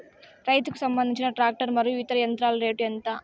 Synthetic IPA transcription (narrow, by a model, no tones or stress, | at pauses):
ɾɐjt̪uku̥sɐmbɐnd̪iɲt͡ʃinɐʈɾaːk̚ʈɐɾmɐɾjuit̪ɐɾɐjɐnt̪ɾaːlɐɾe̞ːʈjɛnt̪aː